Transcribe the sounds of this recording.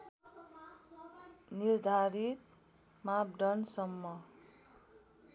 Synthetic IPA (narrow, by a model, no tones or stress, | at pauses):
nird̪ʱaɾit̪̚ | map̚ɖʌnsʌmːʌ